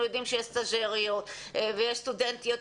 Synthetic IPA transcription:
ujo̞d̪imʃejeʃt̪aʒeʁiot̪ʔvejeʃst̪ud̪ent̪ijot

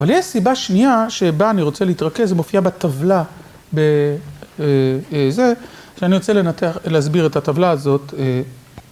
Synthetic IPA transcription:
avaljɛʃsibaʃniaʃe̞baːniʁo̞t͡seleit̪ʁakezemo̞fiabet̪avla | be | eze̞ʃeaniʁo̞t͡sele̞nat̪eaχleazbiʁet̪at̪avlaːzo̞te

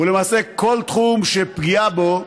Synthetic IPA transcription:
ulemaːse̞ko̞lt̪χumʃepɡiabo

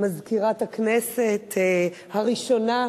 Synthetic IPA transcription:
mazkiʁathakneset | haʁiʃo̞na

